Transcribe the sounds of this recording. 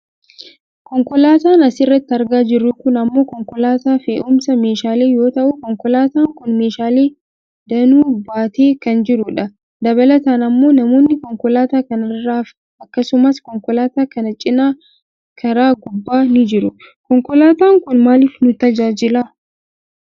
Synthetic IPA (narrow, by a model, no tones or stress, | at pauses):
kɔŋkɔlaːt̪aːnɐsɪrːɐt̪ːɐɾɡaːd͡ʒɪrːʊkʊnɐmːo̞ːkɔŋkɔlaːt̪aːfḛːʔʊmsɐme̞ːʃaːle̞ːjo̞ːt̪ɐʔʊkɔŋkɔlaːt̪aːŋkʊnme̞ːʃaːle̞ː | d̪ɐnuːbaːt̪e̞ːkɐnd͡ʒɪɾʊᶑɐ | d̪ɐβɐlɐt̪aːnɐmːo̞ːnɐmo̞ːnːɪkɔŋkɔlaːt̪aːkɐnɐrːaːf | ʔɐkːɐsʊmɐskɔŋkɔlaːt̪aːkɐnɐt͡ʃʼɪnaː | kʰɐɾaːɡʊbːaːnɪd͡ʒɪɾʊ | kɔŋkɔlaːt̪aːŋkʊnmaːliːfnʊt̪ɐd͡ʒaːd͡ʒɪlaː